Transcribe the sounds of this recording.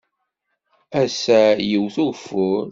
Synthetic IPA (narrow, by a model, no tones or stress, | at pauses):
æsæjəwθufʊɾ